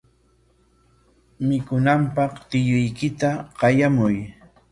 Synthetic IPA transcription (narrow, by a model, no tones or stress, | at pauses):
mɪkʊnampɑχt̪ɪjʊjkɪt̪aɢɑjamʊj